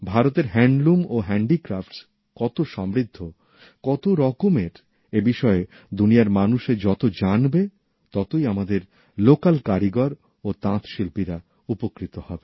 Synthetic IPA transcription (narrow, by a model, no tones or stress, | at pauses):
bʱaɾot̪eɾɦɛɳɖlumoɦɛɳɖikɾafʈ | kɔt̪oʃɔmɾid̪ʱːo | kɔt̪oɾɔkomeɾ | ebiʃɔe | d̪unijaɾmanuʃed͡ʑɔt̪od͡ʑanbe | t̪ɔt̪ojamad̪eɾ | lokalkaɾiɡaɾ | ot̪ãt̪ʃilpiɾa | upokɾit̪ohɔbe